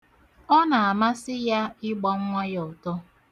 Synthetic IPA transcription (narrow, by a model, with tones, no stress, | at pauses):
ɔ˦na˨a˨ma˦sɪ˦ja˦ɪ˦ɡ͡bɔ˦ŋ̩˦ŋʷa˦jɔ˨tɔ˦